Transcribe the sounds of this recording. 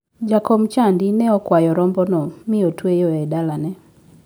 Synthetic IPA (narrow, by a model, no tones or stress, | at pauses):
d͡ʒakɔmt͡ʃandinɛɔkwajɔɾɔmbɔnɔmɪotwejɔɛdalanɛ